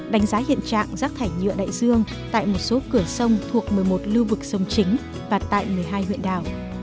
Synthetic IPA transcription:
ɗa˨˦jŋ̟zaː˨˦hḭ˧˨ənt͡ɕa̰ː˧˨ŋzaː˦˥k̚t̪ʰaː˧˩jɲɨ̰˧˨əɗa̰ː˧˨jzɨ˧əŋ | t̪a̰ː˧˨jmo˨˩t̚so˨˦kɨ˧˩əsə˧wŋ͡mt̪ʰu˨˩ək̚mɨ˨˩əjmo˨˩t̚lu˧vɨ˨˩k̚sə˧wŋ͡mt͡ɕï˨˦ŋ̟ | vaː˨˩t̪a̰ː˧˨jmɨ˨˩əjɦaː˧jhw̰ənɗaː˨˩w

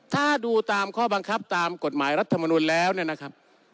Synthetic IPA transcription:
t̪ʰaː˥˩duː˧t̪aː˧mkʰɔː˥˩ba˧ŋkʰa˦˥p̚t̪aː˧mko˨˩t̪̚maː˩˦jɾa˦˥t̪ʰːa˧ma˧nuː˧nlɛː˦˥wni˥˩ɐna˦˥kʰa˦˥p̚

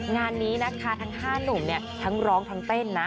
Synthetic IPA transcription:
ŋaː˧nːiː˦˥na˦˥kʰa˦˥˩t̪ʰa˦˥ŋhaː˥˩nu˨˩mni˥˩t̪ʰa˦˥ŋɾɔː˦˥ŋt̪ʰa˦˥ŋpe˥˩nːa˦˥

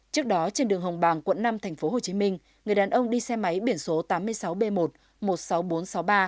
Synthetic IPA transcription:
t͡ɕɨ˦˥k̚ɗɔ˨˦t͡ɕe˧nɗɨ˨˩əŋɦə˨˩wŋ͡mɓaː˨˩ŋkwə̰˧˨nːa˧mt̪ʰa˨˩jŋ̟fo˨˦ɦo˨˩t͡ɕi˨˦mï˧ŋ̟ | ŋɨ˨˩əjɗaː˨˩nʔə˧wŋ͡mɗi˧sɛ˧ma˨˦jɓi˧˩ənso˨˦t̪aː˨˦mːɨ˧əjsa˨˦wɓe˧mo˨˩t̚ | mo˨˩t̚sa˨˦wɓo˨˦nsa˨˦wɓaː˧

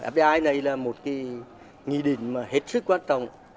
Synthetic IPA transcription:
ʔɛ̰˦˥p̚ɗe˧ʔaː˧jna˨˩jlaː˨˩mo˨˩t̚kaː˨˦j | ŋi˧˨ɗï˧˩˨ŋ̟maː˨˩ɦe˦˥t̚sɨ˦˥kːwaː˧ntɔ̰˨˧˨wŋ͡m

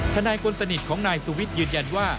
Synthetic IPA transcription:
t̪ʰa˧naː˧jkʰo˧nsa˧ni˨˩t̪̚kʰɔː˩˦ŋnaː˧jsu˧wi˦˥t̪̚jɯː˧nja˧nwaː˥˩

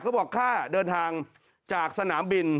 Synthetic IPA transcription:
kʰa˦˥wbɔː˨˩kʰːaː˥˩dɤː˧nt̪ʰaː˧ŋ | t͡ɕaː˨˩k̚sa˧naː˩˦mbi˧n

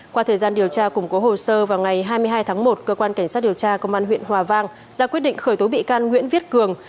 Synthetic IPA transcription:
kwaː˧t̪ʰəː˨˩jzaː˧nɗi˨˩əwt͡ɕaː˧kʊ˨˧˩ŋ͡mko˨˦ho˨˩səː˧vaː˨˩wŋa˨˩jɦaː˧jmɨ˧əjɦaː˧jt̪ʰaː˨˦ŋmo˨˩t̚kəː˧kwaː˧nka˧˩jŋsa˦˥t̚ɗi˨˩əwt͡ɕaː˧kə˧wŋ͡mʔaː˧nɦwḭ˧˨ənhwaː˨˩vaː˧ŋ | zaː˧kwt̚ɗḭ˧˨ŋ̟xəː˧˩jt̪o˨˦ɓḭ˧˨kaː˧nŋwḭ˧˥nvi˦˥t̚kɨ˨˩əŋ

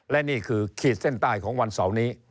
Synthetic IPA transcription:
lɛ˦˥ʔniː˥˩kʰɯː˧kʰiː˨˩t̪̚se˥˩nt̪aː˥˩jkʰɔː˩˦ŋwa˧nsa˨˩˦wniː˦˥

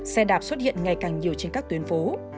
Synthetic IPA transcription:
sɛ˧ɗaː˨˩p̚swə˦˥t̚hḭ˧˨ənŋa˨˩jkaː˨˩ŋɲi˨˩əwt͡ɕe˧nkaː˦˥k̚t̪wi˨˦ənfo˨˦

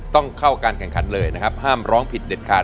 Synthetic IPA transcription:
t̪ɔ˥˩ŋkʰa˥˩wkaː˧nkʰɛ˨˩ŋkʰa˩˦nlɤː˧jna˦˥kʰa˦˥p̚haː˥˩mɾɔː˦˥ŋpʰi˨˩t̪̚de˨˩t̪̚kʰaː˨˩

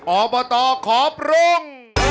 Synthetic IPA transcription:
ʔɔː˨˧bɔ˧t̪ɔː˧kʰɔː˨˦p̚ɾo˧˩ŋ

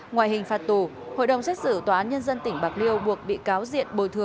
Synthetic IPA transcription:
ŋwa̰ː˧˨jɦï˨˩ŋ̟faː˨˩t̚t̪u˨˩ | ho̰˧˨jɗə˨˩wŋ͡msɛ˦˥k̚sɨ̰˧˩t̪waː˨˩ʔaː˨˦nɲə˧nzə˧nt̪ï˧˩ŋ̟ɓaː˨˩k̚li˧əwɓu˨˩ək̚ɓḭ˧˨kaː˨˦wzḭ˧˨ənɓo˨˩jt̪ʰɨ˨˩əŋ

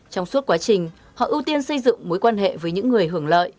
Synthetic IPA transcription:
t͡ɕɔ˧wŋ͡msu˦˥t̚kwaː˨˦t͡ɕï˨˩ŋ̟ | hɔ̰˧˨ʔɨ˧wt̪i˧ənsə˧jzɨ̰˧˨ŋmo˨˦jkwaː˧nɦḛ˧˨vəː˨˦jɲɨ̰˧˥ŋːɨ˨˩əjɦɨ˧˩əŋlə̰ː˧˨j

